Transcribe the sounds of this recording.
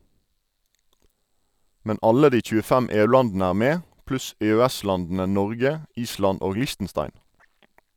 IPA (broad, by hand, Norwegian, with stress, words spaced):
ˈmɛn ˈɑlə ˈdiː c͡çʉːəˈfæm ˈeːʉˌlɑndn̩ə ˈæːʁ ˈmeː ˈplʉs eːøːˈæˌslɑndn̩ə ˈnɔʁɡə ˈiːslɑn ˈoːɡ ˈlɪʃtn̩ˌstɑɪn